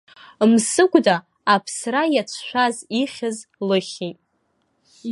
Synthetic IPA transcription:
msɨɡʷʼdaː | pʰsrajat͡ɕʷʰʃʷaziχʲɪzlɨχʲitʼ

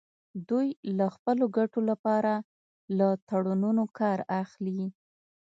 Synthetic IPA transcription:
d̪ujlaxpəloɡaʈolapɑɾa | lat̪aɽununokɑɾaxli

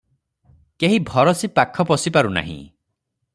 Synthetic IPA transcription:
keɦibʱɔɾɔsipakʰɔpɔsipaɾuna̰ɦḭ̃

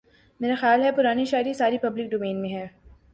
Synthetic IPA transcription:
meːɾaxejaːlɦɛpʊɾaːniʃaːɪɾisaːɾipɐblɪk̚ɖoːmẽːnmẽɦɛː

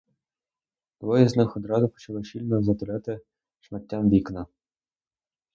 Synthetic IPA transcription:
d̪̥ʋɔjɛznɪxɔd̪ɾɑzʊpɔ̥t͡ʃɐlˠɪʃilʲnɔzɐt̪ɪlʲɛt̪ɪ | ʃmɐtʲːamd̪ʲiknɐ

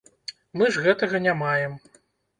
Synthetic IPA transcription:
mɨʐɣɛt̪ɐɣɐnʲamajɛm

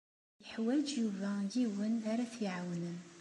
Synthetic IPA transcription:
jəħwæd͡ʒjuvæjiwənaɾæθjʕawnən

